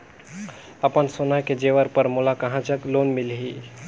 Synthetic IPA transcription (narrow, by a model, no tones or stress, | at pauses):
əpənsonaked͡ʒeʋəɾpəɾmolakɐɦãt͡ʃəkloːnmɪlɦi